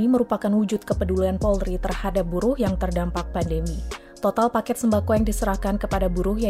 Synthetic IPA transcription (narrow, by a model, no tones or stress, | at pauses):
iməɾupakanwud͡ʒʊt̪̚kəpədulianpɔlɾit̪ərhadap̚buɾʊhjaŋt̪ərdampak̚pandəmi | t̪ot̪alpakɛt̪̚səmbakojaŋdisəɾahkankəpadabuɾʊhja